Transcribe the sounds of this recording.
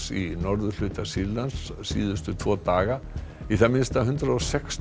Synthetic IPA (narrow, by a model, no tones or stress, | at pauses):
sinɔɾðʏlʏːt̪asiɾlansːḭːðʏst̪ʏt̪ʰv̥ɔːt̪aːɣa | iθamɪnst̪aɦʏnt̪ɾaɔsɛks